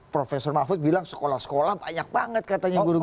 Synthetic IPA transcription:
pɾofesɔrmafʊt̪̚bilaŋsə̥kolahsə̥kolahbaɲak̚b̥aŋət̪̚kat̪aɲaɡuɾu

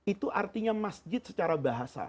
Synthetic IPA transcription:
it̪uʔart̪iɲamasd͡ʒɪt̪̚sət͡ʃaɾabaɦasa̰

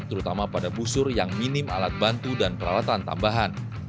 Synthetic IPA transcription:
t̪əɾut̪amapadabusʊrjaŋminɪma̰lat̪̚bant̪udanpəɾawat̪ant̪a̰mbaɦan

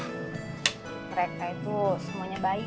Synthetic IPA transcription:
məɾekait̪usəmuaɲabaɪ

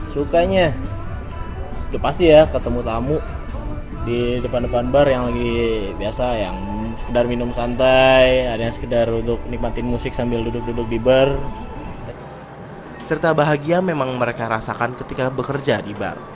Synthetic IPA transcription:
sukaɲa | dpast̪ijakət̪əmut̪amuʔ | didəpandəpanbarjaŋlaɡibiasajaŋ | sə̥kədarminʊmsant̪ajadajaŋsə̥kədarunt̪ʊk̚nik̚mat̪ɪnmusɪk̚sambɪldudʊk̚dudʊk̚dibərt̪a | sərt̪abaɦaɡiamemaŋməɾekaɾasakankət̪ikabəkərd͡ʒadiba̰r

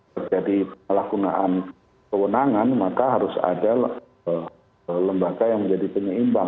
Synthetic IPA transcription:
ərd͡ʒadipəəlakunaʔan | kəwənaŋanmakaɦaɾʊsa̰dal | ləmbaɡajaŋməɲd͡ʒadipəɲəimba

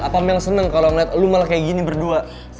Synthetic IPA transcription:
apamjaŋsənəŋkalonɛt̪lumalakajaɡinibərdua | s

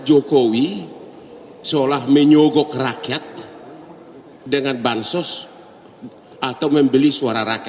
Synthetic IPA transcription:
d͡ʒokowi | solahməɲɔɡɔkrakɛt̪̚ | dəŋanbansɔs | at̪awməmbəlisuaɾaɾakɛ

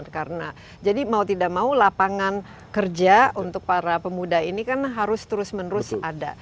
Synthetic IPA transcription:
kaɾəna | d͡ʒadimaut̪idaʔ̚maulapaŋan | kərd͡ʒaunt̪ʊk̚paɾapəmudainikanɦaɾʊst̪əɾʊsmənəɾʊsada̰

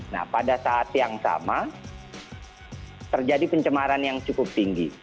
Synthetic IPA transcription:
na̰hpadasaːt̪jaŋsa̰ma | t̪ərd͡ʒadipəɲt͡ʃəmaɾanjaŋt͡ʃukʊp̚t̪iŋɡi

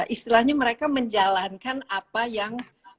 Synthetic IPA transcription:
ʔist̪ilahɲaməɾekaməɲd͡ʒalankanapajaŋ

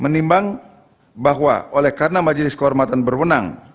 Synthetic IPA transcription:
mənimbaŋ | baɦwa̰ʔolɛhkarənamad͡ʒlɪskəɦɔrmat̪anbərwəna̰ŋ

